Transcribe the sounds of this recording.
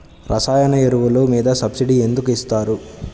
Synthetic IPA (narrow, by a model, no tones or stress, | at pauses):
ɾʔɐsaːjɐnɐeɾuʋulumiːd̪ɐsɐbsiɖie̞nd̪ukuist̪aːɾu